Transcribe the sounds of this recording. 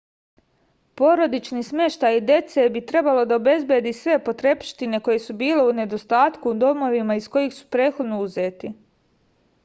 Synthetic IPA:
po̞ɾo̞d̪it͡ʃnismje̞ʃt̪ajid̪je̞t̪se̞bit̪ɾe̞balo̞d̪aobe̞zbje̞d̪isʋe̞po̞t̪ɾe̞pʃt̪ine̞ko̞jesubiːle̞une̞d̪o̞st̪aːt̪kud̪o̞mo̞ʋimaisko̞jixsu̥pɾe̞ːt̪xo̞d̪no̞uze̞ːt̪i

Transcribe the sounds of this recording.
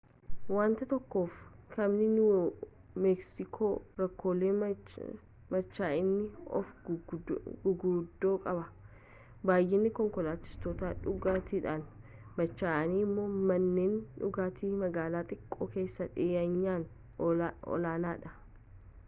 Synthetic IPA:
waːnt̪ɐt̪ɔkːo̞ːfkɐmnɪnʊ | mɛksɪkʰoːɾɐkːo̞ːleː | mɐt͡ʃːaːɪnːɪɔ̰f | ɡʊɡuːd̪ːo̞ːkʼɐbɐ | baːjːeːnːɪkɔŋkɔlaːt͡ʃːɪ̥st̪ɔt̪aːᶑʊɡaːt̪ʰiːᶑaːn | mɐt͡ʃːaːʔɐniːɪmːo̞ːmɐnːe̞ːnᶑʊɡaːt̪ʰiːmɐɡaːlaːt̪ʼɪkʼːoːke̞ːsːɐᶑɪɐɲːaːn | ɔ̰laːnaːᶑɐ

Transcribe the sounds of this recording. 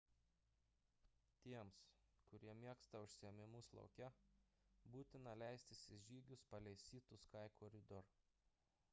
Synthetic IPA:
t̪ʲiɛmskʊɾʲiɛmʲiɛkst̪ɐʊʃʲsʲɪɛmʲɪmʊslˠɐ̰ʊkʲɛ | buːt̪ʲɪnɐlʲæˑɪsʲt̪ʲɪsʲɪʒʲiːɡʲʊspɐlʲɛɪsʲiːt̪ʊskɑɪkoːɾʲɪd̪ɔɾ

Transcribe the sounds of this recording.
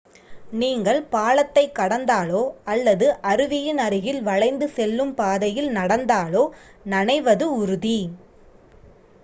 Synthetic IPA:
niːŋɡɐɭpaːlɐt̪ːɐɪkːɐɽɐnd̪aːloːɐlːɐðɯʔɐɾɯʋɪjɯnɐɾɪɣɪlʋɐɻɐɪnd̪ɯsɛlːɯmpaːðɐjɪlnɐɽɐnd̪aːloː | nɐnɐɪʋɐðɯʊɾɯði

